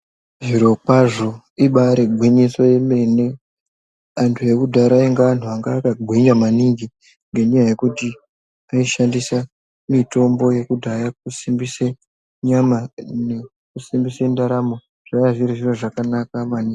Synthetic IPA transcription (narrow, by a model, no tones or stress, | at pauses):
ʐiɾo̞kwaʐo̞ | iɓaɾe̞ɡʱwiɲiso̞je̞me̞ne̞ | antʰuje̞kudʱaɾaeŋɡean̤uaŋɡaːkaɡʱwiɲamaniŋɡi | ŋɡe̞ɲajaje̞kuti | aiʃandisa | mito̞mbo̞je̞kudʱajak̚usimbise | ɲamane | kusimbisendaɾamo | ʐ̥ajaʐiɾiʐiro̞ʐakanakamanii